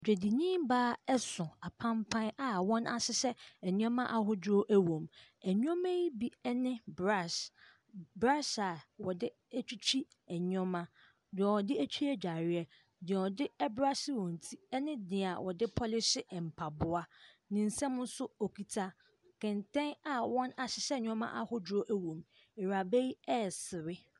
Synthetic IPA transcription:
d͡ʑᶣe˨di˨ɲĩː˦m˦baː˦ɛ˦sʊ̃˨a˨pʰã˦mpʰã˦na˨wɔ̃˦na̰˨sɪ˦sɛ˦ɛ˨ɲũ˦ɔ̃˦mã˦ʔa˨ɦʊ˦do˦ʔæ˦wõ˨mæ˨ɲũ˦ɔ̃˦mɛ̃˦ji˦bi˦ɛ˦nɪ̃˦bɾa˦˨s | bɾa˦sa˨wɔ˨dɪ˦ | æ˦t͡ɕᶣi˦t͡ɕʰᶣi˦ | ɛ˨ɲ˦ɔ̃˦mã˦ | dɪ˨ɛ˨wɔ˨dɪ˦æ˦t͡ɕʰᶣi˦ɛ˦d͡ʑᶣa˨ɾɪ˦ɛ˦ | dɪ˨ɛ˨ɔ˨dɪ˦ɛ˦bɾa˦sɪ˦wɔ̃˨n̩˨tʰi˦ɛ˦nɪ̃˦dɪ̃˨a˨wʔɔ˨dɪ˦pʰɔ˦lɪ˦sɪ˦˨m̩˨pʰa˨bʊ˦a˦ | nɪ̃˨n̩˨sɛ̃˦mʊ̃˦n˦sʊ˦o˨kʰi˨tʰa˦ | kʰɪ̃˨ntʰɛ̃˦na˨wɔ̃˦na˨ɕɪ˨ɕɛ˦˨ɲᶣ˦ɔ̃˦mã̰˦ʔa˦hʊ˦dɾo˦ʔæ˦wõ˨m | ɪ˨ɾa˨bɛ˦ji˦ɛ˦˨sɪ˨ɾɪ˦

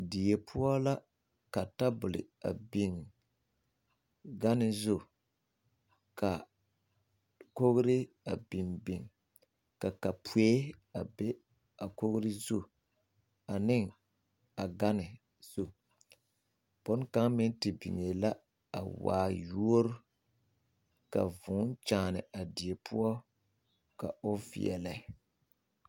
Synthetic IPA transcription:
dɪ˨jɛ˨pʰʊ˦a˦la˦ | ka˨ta˦bʊ˨lɪ̰˨a̰˨bi˨ŋ | ɡa˦nɪ˨zʊ˦ | ka˨ | ko˦ɣʊ˦ɾɪ˦ | a˨bi˨mbi˨ŋ | ka˨ka˨pʰu˨e˦a˨be˦ | a˨ko˦ɣʊ˦ɾɪ˦zʊ˦ | a˨nɪ˦ŋ | a˨ɡa˦nɪ˨ | z̥u˦ | b̥ɔ˦n˦ka˦ŋmɪ˦n˦tɪ˨bḭ˨ŋe˨la˦ | a̰˨wa̰ː˨ju˦o˦ɾʊ˦ | ka̰˨vʊ˨˦n˦t͡ʃaː˨nɪ˨a˨di˨e˨pʰʊ˦ɔ˦ | ka̰˨ʊ˦fḭ˨ɛ̰˨la˦

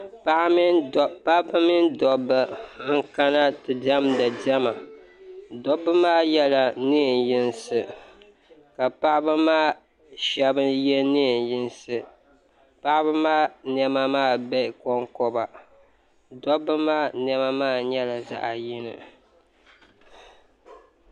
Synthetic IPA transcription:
pa˦ʔm˦˨pa˦bɨ˦mɪ˦ndɔ˨bɨ˦ŋ̩˦ka˦na˦tɨ˨da˦mda˨dɛ˦ma˨ | dɔ˦bɨ˦maː˦jɛ˦la˨nɨ˦˨njɪ˦nsɨ˨ | ka˨pa˦ʔbɨ˦maː˦ | ʃɛ˦bɨ˦njɛ˦nɨ˦˨njɪ˦nsɨ˨ | pa˦ʔbɨ˦maː˦nɛ˦ma˦maː˦˨bɛ˦˨kɔ˦ŋkɔ˦ba˨ | dɔ˦bɨ˦maː˦nɛ˦ma˦maː˦˨ɲɛ˦la˨za̰˦ʔa˨jɪ˦nɨ̰˨

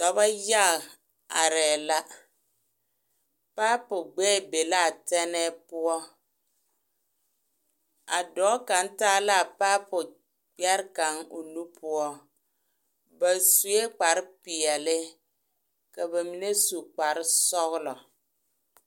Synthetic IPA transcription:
tɔ˨ba˦ja˦˨ | a˨ɾɛː˨la˦ | paː˦pʊ˨ɡ͡bɛː˦˨be˨la˦˨tɛ˦nɛː˦pʊ˦ɔ˦ | a̰˨dɔː˨˦ka˨˦n˦taː˦la˦˨paː˦pʊ˨ | k͡pɛ˦ɾka˨˦ŋo̰˨nu˦pʰʊ˦ɔ˦ | ba˨su˨e˦k͡pa˨ɾɪ˦pɪ˨ɛ˨lɪ˦ | ka˨ba˨mi˨ne˦su˨k͡pa˨ɾɪ˦sɔ˦ɣʊ˦lɔ˨

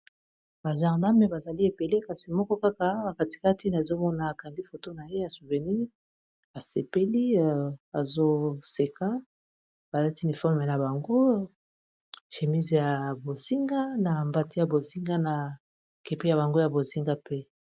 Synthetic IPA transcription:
ba˨ʒa˨ʁda˦me˨ba˨za˨li˦e˨pe˨le˦ka˦si˨mɔ˦kɔ˦ka˦ka˦ba˨ka˨ti̥˨ka˦ti˦n˨a˨zo˦mɔ˦na˨a˨ka˨ndi˦fo˨to˦na˨je˦ja˨su˨ve˨ni˦ | a˨se˨pe˦li˦˨a˨zo˦se˨ka˦ | b̥a˨la˦ti˦ni˨fɔ˦ʁme˨na˨ba˨ŋɡo˦ | ʃe˨mi˦zja˨bo˨zi˦ŋɡa˦na˨mba˨ti˦ja˨bo˨zi˦ŋɡa˦na˨ | ke˨pi˦ja˨βa˨ŋɡo˦ja˨bo˨zi˦ŋɡa˦pe˦

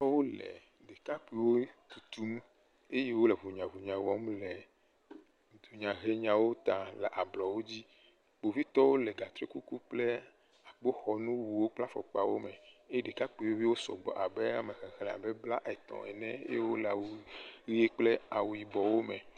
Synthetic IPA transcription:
ɔ˦wo˦lɛ̰˨ | ɖe˨ka˦k͡pi˨wo˦t̪u˨t̪u˦m | e˦je˦wo˦le˨vu˨ɲã˨vu˨ɲã˨wɔ˦m˦lɛ˨ | d̪u˨ɲã˨ɦe˦ɲã˨wo˦t̪ã˨le˨ʔa˨blɔ˨wo˦d͡ʑi˦ | k͡po˨vi˦t̪ɔ˦wo˦le˨ɡa˨t̪ɾe˦ku˦ku˦k͡ple˦ | a˨k͡po˦xɔ˨nũ˦wu˨wo˦k͡pla˦fɔ̰˨k͡pa˨wo˦mɛ˨e˦je˦ɖe˨ka˦k͡pi˨wo˦vi˦wo˦sɔ̰˨ɡ͡bɔ̰˨ʔa˨be˦a˦˨me˨ɣɛ˨xɛ˨lɛ˨a̰˨bɛ˦bla˦ʔt̪ɔ̰̃˨ɛ̰˨nɛ̰̃˦e˦wo˦la˨wi˦e˦k͡ple˦a˨wu˨i˨bɔ˨wo˦mɛ˨

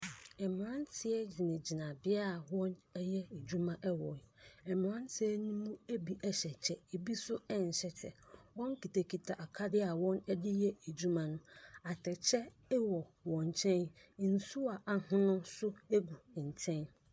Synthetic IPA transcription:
ɛ˨m̃˨ɾã˦ntʰɪ˦ɛ˦d͡ʑi˨nɪ̃˨d͡ʑi˨nã˨bɪ˦a˦˨wɔ̃˦nɛ˦jɛ˦e˨d͡ʑu˦mã˦ʔɛ˦wɔ˨ɛ˨m˨ɾã˦ntʰɪ˦ɛ˦nũ˦mũ˦e˦bi˨ʔɛ˦ɕɛ˨t͡ɕʰɛ˨e˨bi˦sʊ˦ɛ˦n̩˨ɕɛ˦t͡ɕʰɛ̰˨wɔ̃˦ŋ˦kʰi˨tʰa˨kʰi˨tʰa˨ʔa˨kʰa˦dɪ˦a˨wɔ̃˦nɛ˦dɪ˦jɛ˦e˨d͡ʑu˦mã˦nʊ̃˦a˨tʰɛ˨t͡ɕʰɛ˦ | wɔ˨wɔ̃˨ɲ˨t͡ɕʰɛ̃˦n˨n̩˨su˦a˨ʔa˨hʊ̃˦nʊ̃˦sʊ˦e˦ɡu˨t͡ɕʰɛ̃˦n

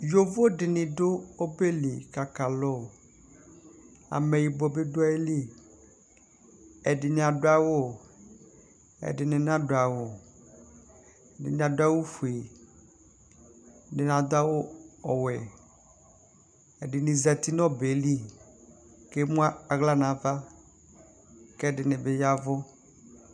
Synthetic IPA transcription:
jo˦vo˦dɪ˨nɪ̃˨do˦o˦be˦li˨ka˨ka˨lɔ˦˨ | a̰˨mɛ˨ji˨bɔ˨be˦do˦a˦e˦li˦˨ | ɛ˨dɪ˨nɪ̃˨a˨dʊ˦a˦wo˦ | ɛ̰˨dɪ˨nɪ̃˨n˦ã˦do˨a˨wo˨ | dɪ̰˨nɪ̃˨a˨dʊ˦a˦wo˦fu˨e˨ | nɪ˨n˨ã˨d̪a˦wo˦ɔ˨wɛ˨ | ɛ˨dɪ˨nɪ̃˨za˨t̪i˦nɔ̃˦be˨˦li˦ | ke˦mũ˦a˦a˨ɣla˦nã˨va˦ | kɛ˦dɪ˨nɪ̃˨be˨ja˦vɔ˦

